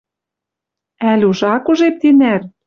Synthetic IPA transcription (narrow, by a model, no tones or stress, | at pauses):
ælʲuʒɑkuʒep̚t̪inær